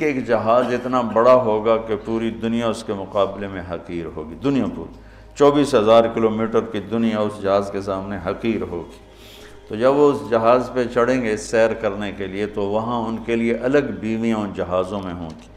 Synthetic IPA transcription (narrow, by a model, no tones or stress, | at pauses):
eeːkd͡ʒɐɦaːzɪt̪nabɐɽaɦoːɡakepuːɾid̪ʊnijaʊskemʊqaːblemẽɦɐqiːɾɦo̰ːɡid̪ʊnijapṵːɾ | t͡ʃɔːbiːsɦɐzaːɾkɪloːmiːʈəɾkid̪ʊnijaʊsd͡ʒɐɦaːzkesaːmneɦɐqiːɾɦoːɡi̥ː | t̪od͡ʒɐbʋoʊsd͡ʒɐɦaːzpet͡ʃʰɐɽẽːŋɡesɛːɾkɐɾnekeliet̪oʋɐɦãʊnkelieʔɐləɡbiːʋijãʊnd͡ʒɐɦaːzõmẽɦõ̰ːɡi̥ː